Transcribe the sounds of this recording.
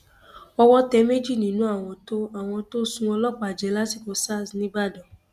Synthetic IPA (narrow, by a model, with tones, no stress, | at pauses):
ɔ˧wɔ˦tɛ˨˦me˦d͡ʒi˦˨nĩ˨˦nũ˨˦a˦˨w̃ɔ̃˧to˦a˨w̃ɔ̃˧to˦sũ˦ɔ˧lɔ˦k͡pa˨d͡ʒɛ˨˦la˦si˦˨ko˧sa˦˨snĩ˦ɡ͡ba˦˨dɔ̃˨